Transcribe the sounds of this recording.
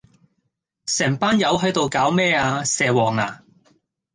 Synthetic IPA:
sɛː˨˩ŋpaː˥njɐ˨˧wɦɵ˨˥jt̪o˨wkaː˨˥wmɛː˥˩aː˧sɛː˨wɔː˨˩ŋa̰ː˨˩

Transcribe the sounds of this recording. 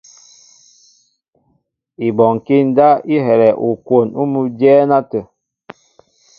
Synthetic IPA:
i˨bɔ˨ŋ˨ki˦n̩˦da˦i˦ɦɛ˨ɾɛ˨ʔu˨kwo˨nu˦mu˦dɛː˦na˦tə˨

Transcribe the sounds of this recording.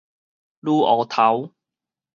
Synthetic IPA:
luː˥ʔɔː˨˩t̪ʰa˨˦w

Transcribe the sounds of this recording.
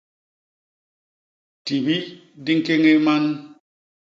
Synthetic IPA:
ti˨bi˦di˦ŋke˦ŋe˦ma˦n

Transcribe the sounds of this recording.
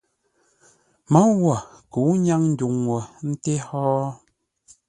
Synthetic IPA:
mɔ˦wɔ˨ | ku˨˦ɲa˦ŋn̩˦du˨ŋwɔ˨n̩˦te˦hɔː˦

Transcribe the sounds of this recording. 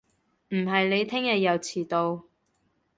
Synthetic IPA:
m̩˨˩ɦɐ˨jle˨˧jt̪ʰɪ˥ŋjɐ˨t̚jɐ˨˧wt͡sʰiː˨˩t̪o˧w

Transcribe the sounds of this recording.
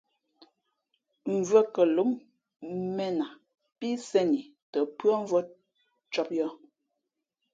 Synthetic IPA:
ɱ̩˨və˦kə˨lu˨˦m | mɛ˦na˨ | pi˦sɛ˦ni˨ | tə˨pɰə˦ɱ̩˦vɔ˦ | t͡ʃɔ˦p̚jɔ˦˨

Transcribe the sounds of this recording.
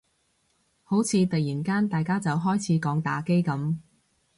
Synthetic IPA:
ho˨˥wt͡sʰiː˨˧t̪ɐ˨jiː˨˩nkaː˥nt̪aː˨jkaː˥t͡sɐ˨wɦɔː˥jt͡sʰiː˨˥kɔː˨˥ŋt̪a̰ː˨˥ke˥jkɐ˨˥m

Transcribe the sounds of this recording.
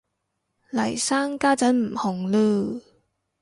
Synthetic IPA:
lɐ˨˩jsaː˥ŋkaː˥t͡sɐ˨˥nm̩˨˩hʊ˨˩ŋlɯː˧

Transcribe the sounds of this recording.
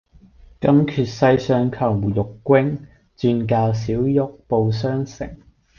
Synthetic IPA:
kɐ˥mkʰyː˨t̚sɐ˧jsœː˧ŋkʰɐ˨˩wjʊ˨kːʷɪ˥ŋ | t͡syː˧nk̬aː˧ws̬iː˨˥wjʊ˥k̚po˨˧wsœː˥ŋsɪ̰˨˩ŋ

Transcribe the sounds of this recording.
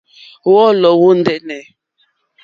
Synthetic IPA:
wɔ˦lɔ˨wo˦n̩˦dɛ˦nɛ˨

